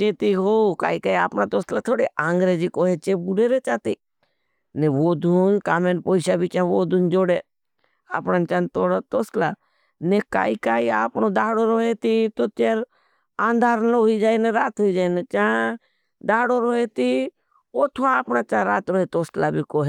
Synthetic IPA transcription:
t͡ʃeːt̪iɦoːka̰ːikaːia̰ːpnãːt̪oːslaːt̪ʰoːɽeʔãːŋɡɾeːd͡ʒikoːɦet͡ʃeːbʊɾeːɾet͡ʃaːt̪iː | neʋoːd̪uːnkaːmeːnpoːɪʃabʱit͡ʃãːʋoːd̪uːnd͡ʒoːɽeː | a̰ːpnaːnt͡ʃãːnt̪oːɽat̪oːslaː | neka̰ːikaːiaːpnod̪aːɽoːɾoɦet̪it̪oːt͡ʃeːɾ | ãːnd̪ʱaːɾnoɦoid͡ʒaːineɾaːt̪ɦoːid͡ʒaːinet͡ʃãː | d̪aːɽoːɾoːɦeːt̪iː | oːt̪ʰoaːpnaːt͡ʃãːɾa̰ːt̪ɾoɦet̪oːslabʱikoːɦe

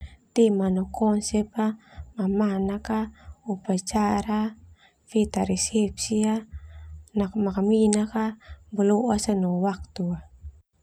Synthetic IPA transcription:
t̪ɛmanɔkʰɔnsɛpamamanakaupat͡ʃaɾa | fet̪aɾɛsɛp̚sia | nakmakaminakabɔloʔasanɔwak̚t̪ua

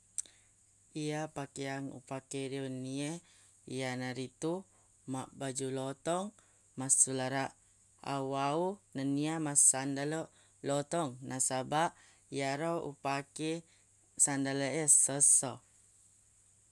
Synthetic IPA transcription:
iapakeaŋṵpakeɾionie | ḭanaɾit̪u | maʔbad͡ʒulɔt̪ɔŋ | masulaɾa | a̰waunaniamasandalɔ | lɔt̪ɔŋnasabaʔ | ijaɾɔṵpake | sandaləɛsəsɔ

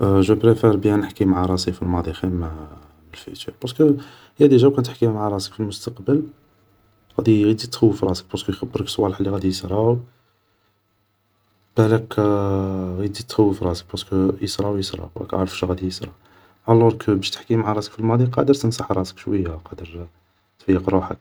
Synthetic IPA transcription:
ʒæbɾefeɾˤbjænəħkimaʕaɾˤɑsifilmɑd̪ˤixim | məlfḭt̪ib̥ɑɾsk | hæd̪iʒæwkænət̪ħkimaʕaɾˤɑsə̥kfilmʊst̪ɑqbəl | ɣæd̪iɣid̪it̪xəwːəfɾˤɑsə̥k̚bæskujxæbːəɾəksˤwɑləħlːiɣæd̪ijəsɾˤɑw | b̥ælæk | ɣid̪it̪xæwːəfɾˤɑsə̥k̚bæskjəsɾˤɑwjəsɾˤɑ̰æ̰kʔa̰ʕɾəfʃɣæd̪ijəsɾˤɑ | ʕɑlːuɾkbæʃt̪ə̥ħkimaʕaɾˤɑsə̥kfilmɑd̪ˤiqɑd̪əɾt̪ənsɑħɾˤɑsə̥kʃwəjːæqɑd̪əɾ | t̪fəjːəqɾˤuħə̰k̚

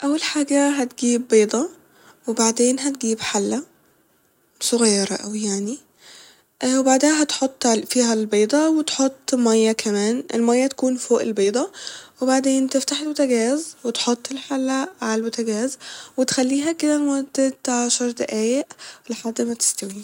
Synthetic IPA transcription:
ʔæwːælħaːɡæɦæt̪ɡiːbːeːd̪ˤɑ | webaʕd̪eːnɦæt̪̚ɡiːbħalːæ | sˤoɣɑjːɑɾˤɑʔæ̰wijaʕni | ʔwebaʕd̪ehæɦæt̪ħot̪ˤːfiːɦælbeːd̪ˤɑwet̪ħot̪ˤːmæjːækʰæmæːnʔḛlmæjːæt̪æ̥kuːnfoːʔelbeːd̪ˤɑwebaʕd̪eːnt̪eft̪aħelbʊt̪æɡæːzwet̪ħot̪ˤːelħalːæʕalælbʊt̪æɡæːzwet̪xælːiːɦæked̪æmod̪ːet̪aʕaʃɑɾˤd̪eʔæːjeʔleħad̪ːemæt̪e̥st̪æwiː

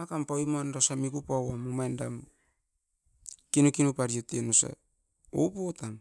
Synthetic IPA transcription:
akampawimonɾosamikupawamumajndam | kinukinupaɾjotenusa̰ | opotam

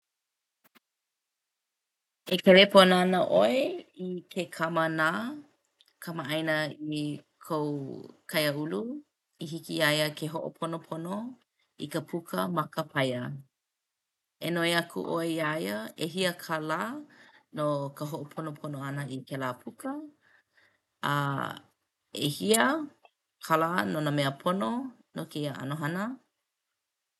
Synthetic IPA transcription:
ekelepʰonoanəʔoeikʰekʰamənaː | kʰɐmaʔɐjnəikʰowkʰɐjəulu | iɦikiajəkʰeɦoʔo̰pʰonopʰono | ḭkəpʰukʰəmɐkəpʰɐjə | enoeɐkʰṵʔoeaːjɐʔeɦiəkʰalaːnokəɦoʔopʰonopʰonoɐnəʔikelaːpʰukə | a̰ | ḛhiə | kʰalaːnonəmeəpʰono | nokeiaʔɐ̰noɦɐnə

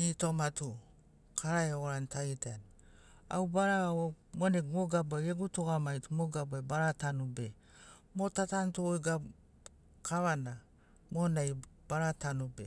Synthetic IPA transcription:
itomatu | kʰaɾaeoɡoɾantʰaitan | a̰wbaɾaaomoneɡmoɡabaeɡutoɡamajtumoɡabuabaɾatanube | motatantuojɡa | kʰaβana | monajb̥aɾatanubḛ

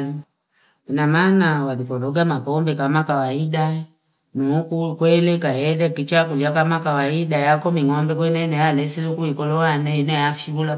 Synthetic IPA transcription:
inamanawaðipɔlɔɡamapɔmbɛkamakawaida | nukukwɛlɛkahɛlɛkit͡ʃakud͡ʒakamakawaiɗajakɔmiŋɔmbɛkwɛnɛnɛjalɛsizukuikɔlɔwanɛinɛjafibula

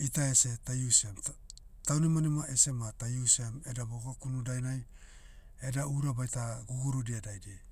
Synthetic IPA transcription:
itaesetajusem | tawnimanimaʔese̞matajusemedaboɡokunudajnaj | edauɾabajtaɡuɡuɾudiadajdie

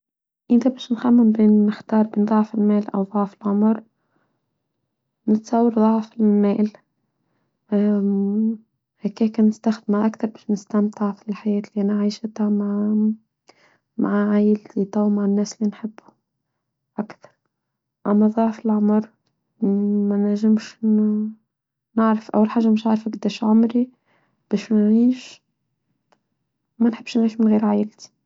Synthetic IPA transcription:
ʔɪnt̪abæːʃnxamːɪmbeːnːɪxt̪ɑːɾˤbeːnðˤɑʕfɪlmæːlʔa̰wðˤɑʕfɪlʕʊmɾ | nɪt̪sˤɑwːɑɾðˤɑʕfɪllmæːl | hækæːkænɪst̪axd̪maʔakt̪ɑɾˤbæːʃnɪst̪amt̪ʕfiɪlħajæːt̪liʔanaʕajʃɪt̪hama | ma̰ʕaʕajɪlt̪ʰit̪ˤɑwmaʕanːæːsɪlːinħɪbːu̥ | ʔakt̪ɑ̥ɾˤ | ʔæmːæðˤɑʕfɪlʕʊmɾ | mænæʕʒɪmʃ | nɪʕɾafʔa̰wːalħaːʒːamɪʃnʕaʕɾˤfakd̪æʃʕʊmɾi | b̥æːʃmænʕiːʃ | mænħɪbːʃnʕiːʃmɪnɣiːɾʕajɪlt̪i̥

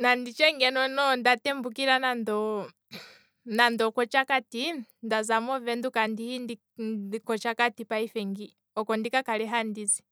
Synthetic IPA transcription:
nandit͡ʃɛŋɡɛnɔnɔndatɛmbukiɾanandɔ | nandɔkɔt͡ʃakatindazamɔvɛndukandihindi | kɔt͡ʃakatipaifɛŋɡi | ɔkɔndikakalɛɦandizi

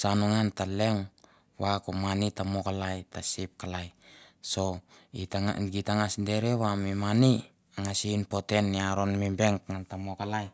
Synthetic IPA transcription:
sanuŋantaleŋ | wakomanitamokalajtasip̚kalajsoitaŋa̰ɡitaŋasde̞ɾewamimani | aŋasinpo̞te̞nːiaɾonmimbeŋkŋantamokalaj

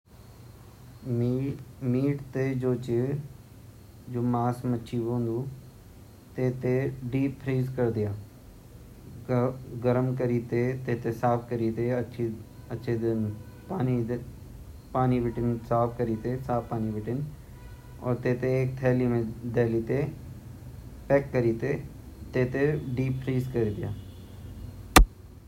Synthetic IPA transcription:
miːʈt̪ed͡ʒoːt͡ʃɪ | d͡ʒoːmaːsmɐtːʃʰiʋõːnd̪uː | t̪eːt̪eɖiːpʰɾiːzkɐɾd̪ɪjaː | ɡəɾəmkəɾit̪et̪eːt̪esaːpʰkəɾiːt̪eɐʃʰiɐtːʃʰed̪ɪn | paːni | paːnibɪʈɪnsaːpʰkɐɾiːt̪esaːppaːnibɪʈɪn | ɔ̰ːɾt̪eːt̪eeːk̚t̪ʰɛːlimẽd̪ɛːlit̪e | pɛːkːɐɾiːt̪e | t̪eːt̪eɖiːppʰɾiːzkɐɾd̪ɪja̰ː

